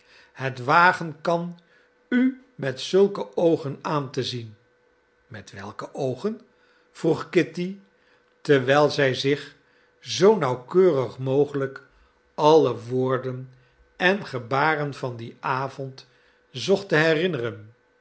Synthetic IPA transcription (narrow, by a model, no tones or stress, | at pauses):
hətʋaːχənkɑn | y | mɛtsɵlˠkəowχənaːntəzin | mɛtʋɛlˠkəʔowχən | v̥ruχkɪti | təʋɛjlˠzɛjzɪχ | zownɑwkøːrəχmowχələk | ɑləʋoːɹdən | ɛnχəbaːrənvɑndiaːvɔnt | zɔχtəɦɛrɪnərən